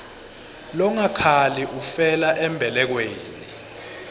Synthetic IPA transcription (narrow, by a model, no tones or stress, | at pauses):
lɔŋakʰaliʔufɛlaʔɛmbʱɛlɛk̬weːni